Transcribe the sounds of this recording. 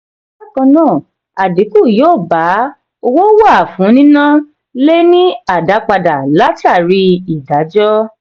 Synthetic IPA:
la˦kã˧nãː˦˨ | a˨de˨˦ku˦˨joː˦˨ba˨˦ | o˧wo˦wa˦˨a˨fũ˨˦nĩ˦nã˦ | le˦nĩ˦a˦˨da˨˦k͡pa˧da˨la˨˦ti˦a˦˨ɾi˧˦i˨da˨˦d͡ʒɔ˦

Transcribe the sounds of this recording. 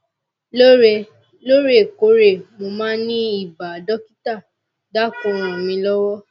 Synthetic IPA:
lo˦ɾe˧ | lo˦ɾe˦˨ko˨˦ɾe˦˨mo˧mãː˦nĩ˦i˦˨ba˨dɔ˦ki˦ta˦˨ | da˦˨kõ˦˨˧ɾ̃ɔ̃˨mĩ˧lɔ˦wɔ˦

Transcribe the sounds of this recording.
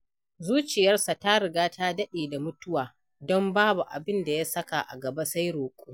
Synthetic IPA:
zuː˦t͡ʃɪ˨jɐ˦rsa˨ta˦ɽɪ˨ɡaː˦ta˦dɐ˦ɗeː˨da˨mʊ˦tʊ˦waː˨ | dɔ˦mbaː˦bu˨ʔa̰˨bɪ˦nda˨ja˦sɐ˦ka˨ʔa̰˨ɡɐ˨ba˦sa˦jɽoː˨kʷʼuː˦

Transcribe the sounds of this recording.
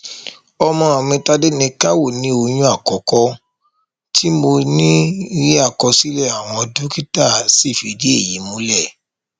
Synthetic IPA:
ɔ˧mɔ̃˧a˨mĩ˧ta˧de˦nĩ˧ka˦wo˦˨nĩ˨˦o˧jũ˧˦a˦˨kɔ˨˦kɔ˧ | tʰi˦mo˧nĩ˦ɾi˦a˦˨kɔ˧si˦lɛ˦˨a˨w̃ɔ̃˧dũ˨˦ki˦ta˦˨si˦˨fi˧di˦e˦˨ji˨˦mũ˨˦lɛ˦˨

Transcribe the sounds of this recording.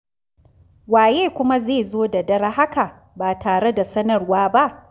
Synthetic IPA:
waː˨jeː˦kʷʊ˦ma˦zeː˦˨zoː˦da˨dɐ˦ɾha˦ka˨ | baː˨taː˨ɽe˦da˨sɐ˦nɐ˨rwaː˦ba˦ʔ

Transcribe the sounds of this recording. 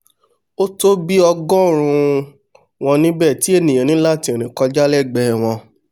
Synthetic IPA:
o˦to˦bi˦ɔ˧ɡɔ̃˦ɾ̃ũ˧ | w̃ɔ̃˧nĩ˦bɛː˦˨ti˨˦e˦˨nĩ˨ã˨nĩ˨˦la˦˨ti˧˦e˨ɾ̃ĩ˨kɔ˧d͡ʒa˦lɛ˦˨ɡ͡bɛ˦˨w̃ɔ̃˧

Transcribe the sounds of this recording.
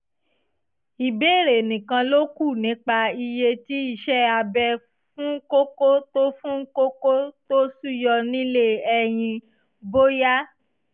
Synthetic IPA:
i˨beː˦˨ɾe˨nĩ˨kã˧lo˦ku˦˨nĩ˨˦k͡pa˧i˧je˧ti˦i˦˨ʃɛ˦a˧bɛ˧ | fũ˦ko˦ko˦to˦fũ˦ko˦ko˦to˦su˦˨jɔ˧nĩ˦le˦ɛ˧j̃ĩ˧ | bo˦ja˦

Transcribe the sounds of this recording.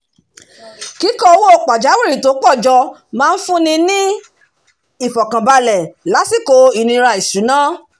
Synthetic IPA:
ki˨˦kɔ˦o˧˦wo˦˨k͡pa˨d͡ʒa˨˦wi˦˨ɾi˦˨to˨˦k͡pɔ˦˨d͡ʒɔ˧ | mãː˦˧n̩˦fũ˦nĩ˧nĩ˦ | i˦˨fɔ˨kã˨ba˧lɛ˨la˨˦si˦˨ko˧i˦˨nĩ˧ɾa˧i˨su˨˦nãː˦

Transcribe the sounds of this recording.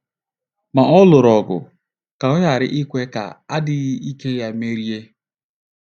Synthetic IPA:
ma˨ʔɔ˦lʊ˨ɾɔ˨ɡʊ̰˨ | ka˨ʊ˦ɲa˨ɾɪ̰˦ʔi˦kʷe˦ka̰˨a˦dɪ˦ɣɪ˦i˦ke˦ja˦me˦ɾi˦e˦

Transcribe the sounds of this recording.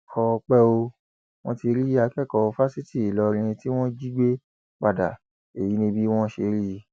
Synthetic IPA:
kʰɔ˧k͡pɛ˦o˧ | w̃ɔ̰̃˦ti˧ɾi˦a˧˦kɛ˦˨kɔ˧fa˦si˦ti˦˨i˨lɔ˧ɾ̃ĩ˧ĩ˧ti˦w̃ɔ̃˦d͡ʒi˦ɡ͡be˦ | k͡pa˦˨da˨ | e˨ji˨˦nĩ˧bi˦w̃ɔ̃˦ʃe˧ɾi˦˧˦

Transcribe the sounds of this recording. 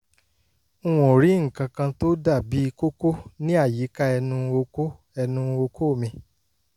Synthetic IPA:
w̃ɔ̃˨ɾi˨˦ŋ̩˨kã˧kã˧to˦da˦˨bi˨˦i˧ko˦ko˦nĩ˦a˦˨ji˨˦ka˦ɛ˧nũ˧o˧ko˦ | ɛ˧nũ˧˦˧o˧kʰo˦˨mĩ˧

